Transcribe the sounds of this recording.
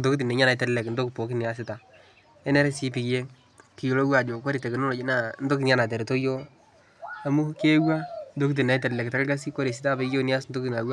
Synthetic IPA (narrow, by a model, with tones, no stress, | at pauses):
kto˦kɪ˦t̬i˨ne˨˦ɲa˦na˨˦tɛ˦llɛ˨kn̩˦do˦kɪ˨po˨kɪ˦nɪ˨a˦s̬ɪ˨ta˨ | ɛ˦nɛ˦ɾɛ˦si˦pi˨kje˦ | ki˨jo˨lo˦wa˨d͡ʒo˨kɔ˦ɾi˨tɛ˨kɪ˨no˦no˨d͡ʒna˦n̩˦do˦kɪ˨nja˦na˨t̬ɛ˨ɾto˦jo˦ | a˨mu˦ke˦wa˦ndo˦kt̬i˨na˨ɪ˦tɛ˨llɛ˨kta˦kka˦s̬i˦ko˦ɾe˨s̬i˦ta˦be˦kjo˦nɪ˦a˦sndo˦kɪ˨na˨wa˦